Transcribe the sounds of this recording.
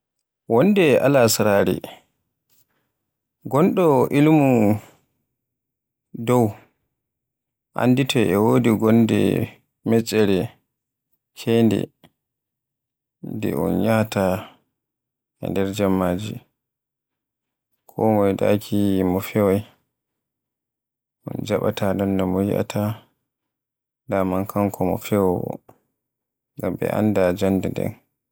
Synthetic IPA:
wɔndɛʔa̰lasɾaɾḭ | ɡɔnɗɔʔilmu | dɔw | ʔa̰nditʰɔɛwoːdiɡɔndɛ̰ | mɛt͡ʃʼːɛɾɛ | kʰɛndɛ̰ | dɛ̰ɔ̰nɲata | ʔɛ̰ndɛɾd͡ʒamːaːd͡ʒi | kʰɔmɔjda̰kʰimɔfɛwɔj | ʔɔ̰nd͡ʒaɓa̰tʰadɔndɔmɔjḭʔa̰ta | damankʰaŋkɔmɔfɛwwɔ̰ | ŋɡambɛ̰ʔa̰ndad͡ʒandɛndɛ̰n

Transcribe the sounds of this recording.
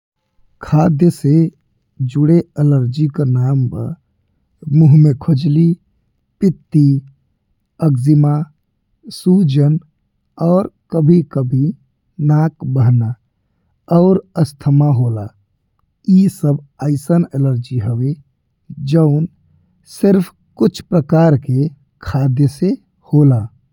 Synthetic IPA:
kʰaːd̪jəse | d͡ʒuɽeələɾd͡ʒikanaːmpə̰ | muɦmekʰod͡ʒli | pɪt̪ːi | əɡzima | sud͡ʒən | ɔːɾkəbʱikəbʱi | naːkbəɦna | ɔːɾəst̪ʰəmaɦoːla | isəbəɪsəneləɾd͡ʒiɦəwe | d͡ʒəʊn | sɪɾpʰ | kʊt͡ʃʰpɾəkaːɾke | kʰaːd̪jəse | holaː

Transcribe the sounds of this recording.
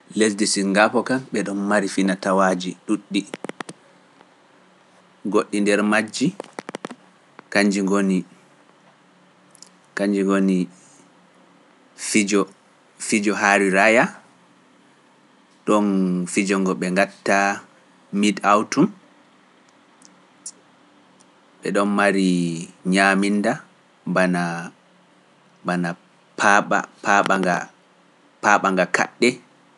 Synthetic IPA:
les̬disiŋɡapɔkanɓɛɗɔnmaɾifinatawaːd͡ʒiɗuɗːi | ɡoɗːindɛɾmad͡ʒːi | kaɲd͡ʒiŋɡoni | kaɲd͡ʒiŋɡoni | fid͡ʒɔ | fid͡ʒɔɦaɾiɾaja | ɗɔnfid͡ʒɔŋɡɔɓɛŋɡatːa | midawtum | ɓɛ̰ɗɔnmaɾiɲaminda | bana | bana | pʰaɓa̰pʰaɓaɡa̰ | paɓaŋɡakʰa̰ɗːɛ

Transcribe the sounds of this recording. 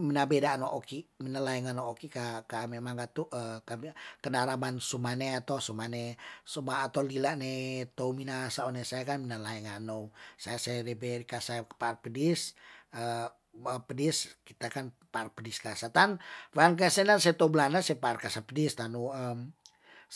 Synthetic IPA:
minabedanoʔokiminalaɛŋanookikakamemaŋɡat̪uʔəkamikənaɾamansumaneat̪osumanesumaːt̪owlilaʔnet̪ouminasaonesajakanminalaɛŋanowsajasaɾebekasapaːrpədisə | əpədiskit̪akanparpədiskasat̪anfankaasɛnasajat̪oublandasapaːrkasapədist̪anuəm

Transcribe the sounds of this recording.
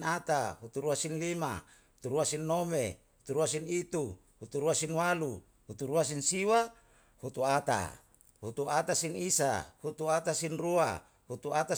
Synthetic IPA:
nat̪aɦut̪uɾuasinlima̰ | hut̪uɾuasinːomḛhut̪uɾuasinit̪u | hut̪uɾuasinwalu | hut̪uɾuas̬insiwa | hut̪uat̪a̰ | hut̪uʔat̪asinisa̰hut̪uat̪asinrua̰ | hut̪uat̪a

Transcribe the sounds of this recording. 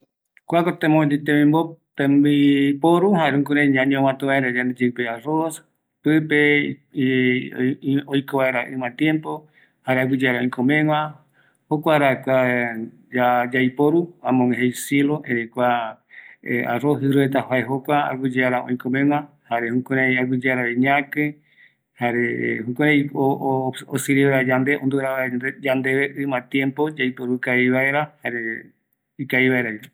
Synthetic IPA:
kʷakot̪ẽmõd̪it̪eĩmbot̪embipoɾuɦaɾeuŋkuɾẽɲãɲõmãt̪uβaeɾad͡ʒand̪ed͡ʒepearos | pɨpe | ojkoβaeɾaʔɨ̃mãt̪jempo | haɾeawɨd͡ʒeaɾaõj̃kõmẽŋʷwã | hokʷaɾakʷa | d͡ʒad͡ʒajpoɾuãmõŋẽɦejseloẽɾekʷa | ḛa̰roɦɨɾuet̪ahaeɦokʷaa̰ɡʷɨd͡ʒeaɾaõĩkõmẽŋ̃ã | haɾehõkoɾaiaɡɨd͡ʒeaɾaβeɲãkɨ | haɾehõkoɾãjoosɨɾieɾad͡ʒand̪eõnd̪uɾaad͡ʒand̪eβeʔɨmãt̪jẽmpod͡ʒajpoɾukaiβaeɾahaɾe | ikaiβaeɾai

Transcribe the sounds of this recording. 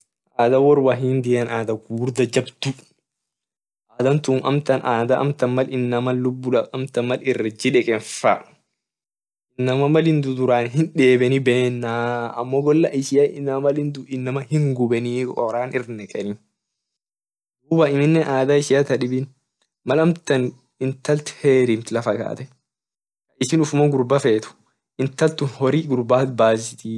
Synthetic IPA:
ʔaːd̪ɐwɔɾwaɦind̪ɪjɐnaːd̪ɐɡuːɾd̪ɐd͡ʒɐbd̪ʊ | ʔaːd̪ɐnt̪uːnʔɐmt̪ɐnʔaːd̪ɐʔɐ̰mt̪ɐnmɐlɪnːɐmɐːʊbːʊᶑɐɐmt̪ɐmːɐlɪrːɐd͡ʒɪᶑɛkʼɛnfa | ɪnːɐmɐmɐlɪnd̪ud̪ʊɾaːnɦɪnᶑeːbɛnibɛːnːaːɐmːoːɡɔlːɐʔɪʃɪjɐɪnːɐmmɐlɪnd̪ʊɪnːɐmɐhɪŋɡʊbɛniːɔɾaːnɪɾnɛkʼɛnɪ | duːbaɪmɪnːɛnʔaːd̪aːɪsɪjɐt̪ɐᶑɪbɪn | mɐlɐmt̪ɐn | ɪnt̪ɐlt̪heːɾimt̪lɐfɐka̰ːt̪ɛ | ɐɪsɪːnʊfʊmɐɡʊɾbɐfeːt̪ʊ̥ | ɪnt̪ɐlt̪ʊnhɔɾiːɡʊɾbaːt̪baːsɪt̪i

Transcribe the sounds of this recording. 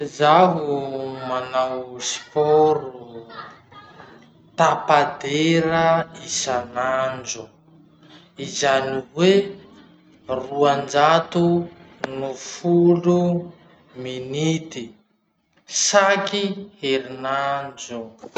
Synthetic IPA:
zaɦumanawspɔɾu | t̪apad̪eɾəisanand͡ʒu | izaniwe | ruand͡ʒat̪unufulu | minit̪i | sakiheɾinand͡ʒu

